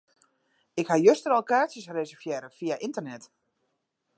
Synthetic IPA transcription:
ɪkhajøstərɔlˠkaːsjəsresəfjɛɾəfiaʔintərnɛt

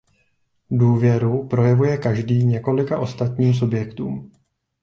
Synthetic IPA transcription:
duːvjɛɾupɾo̞jɛvujɛkaʒdiːɲɛko̞lɪkaʔo̞st̪at̪ɲiːms̬ubjɛkt̪ṵːm

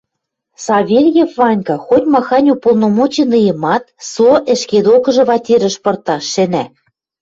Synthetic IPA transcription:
sɑvʲelʲjefvɑnʲkɑxot̪ʲmɑxɑnʲupolˠnomot͡ɕenɯjɤ̆mɑt̪̚soʔɘ̆ʃked̪okɤ̆ʒɤ̆βɑt̪ʲeɾɘ̆ʃpɤ̆rt̪ɑʃɘ̆næ

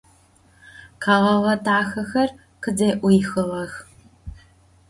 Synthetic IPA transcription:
qʰaːʁɐʁɐtʰaːxɐxɐr | qədeːʔʷʊjxɨʁɐx

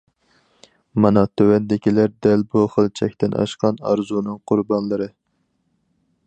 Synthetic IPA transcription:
mɑnɑt̪ʰøwɛnd̪ɪkʲilæɾd̪ɛlbuχəlˠt͡ʃʰɛkʲt̪ʰɪnʔɑ̰ʃqʰɑnɑ̰ɾzunɨŋqʰʊɾbɑnlˠɨɾɨ

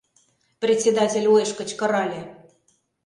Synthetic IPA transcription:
prʲet̪ʲt͡sʲed̪ɑtʲelʲojʃkə̆t͡ɕkɤ̆ɾɑlʲĕ

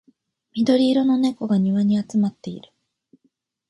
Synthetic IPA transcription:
mʲid̪o̞ɾʲiːɾo̞no̞ne̞ko̞ɡaɲ̟iβaɲ̟iat͡sɨmat̪ːe̞ḭɾɯ̟̥

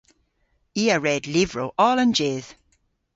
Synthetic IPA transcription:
iːəɹɛdlɪvɹowʔɔːlənd͡ʒɪð̥

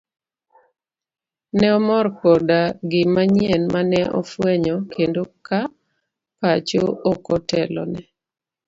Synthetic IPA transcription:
nɛɔmɔrkɔdaɡɪmaɲjɛnmanɛʔɔ̰fwɛɲɔkʰendoka | pat͡ʃoʔokɔtɛlɔ̰nɛ

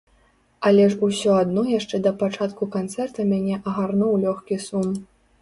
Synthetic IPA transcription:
ɐlʲɛʂusʲɔad̪nɔjaʂt͡ʂɛd̪ɐpat͡ʂat̪kukant̪sɛrt̪ɐmʲanʲɛʔɐɣarnɔwlʲɔxkʲisum

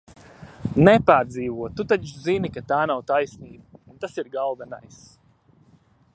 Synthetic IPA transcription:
nɛpaːɾd̪ziːvuɔt̪ut̪at͡ʃzinikat̪aːnawt̪ajsniːbaunt̪asiɾɡalˠvɛna̰js

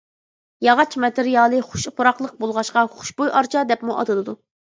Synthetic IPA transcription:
jɑʁɑt͡ʃʰmɛt̪ɪɾijɑːlˠɨχʊ̥ʃqʰʊɾɑqlˠəq̚bolˠʁɑʃqɑχʊ̥ʃbojʔɑɾt͡ʃʰɑd̪ɛpmuʔɑ̰d̪ɨlˠɨd̪u

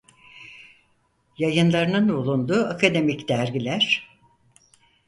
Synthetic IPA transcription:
jajɯnlˠaɾɯnɯnulˠund̪uakʰad̪e̞micd̪̥æɾɟilʲæɾ̥

